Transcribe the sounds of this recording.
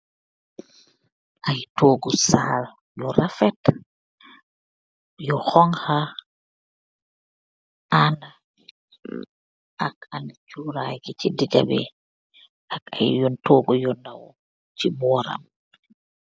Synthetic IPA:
ʔajtoːɡɔsaːl | jɔɾafɛt | jɔhɔŋha | ʔanda | ʔakanat͡ʃuɾajkit͡ʃidiɡa̰bɛ̰ | aka̰jjɔntoːɡɔjɔndawɔ | t͡ʃibɔɾa̰m

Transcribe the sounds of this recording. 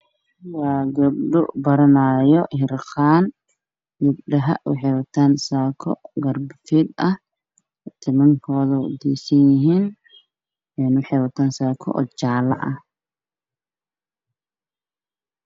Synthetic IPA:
waːɡɐbɖʊ̰bɐɾɐnaːjɔhɪrqaːn | jʊb̚ɖɐɦɐ̰ʔwɑ̰ħɛjwɐt̪ʰaːnsaːkʰɔ̰ɡɐrbfid̪ɐh | t̪ʰɪmɐŋkʰɔːðɐd̪ḭːsɐnjɪɦiːn | ɛːnwɑħɛjwɐt̪ʰaːnsaːkʰɔ̰ʔɔ̰t͡ʃaːlɐ̰ʔɐh

